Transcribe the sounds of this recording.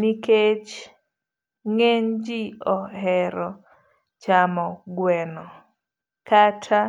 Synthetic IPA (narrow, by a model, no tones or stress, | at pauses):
niket͡ʃ | ŋeɲd͡ʒiɔhɛɾɔ | t͡ʃamɔɡwɛnɔ | katʰa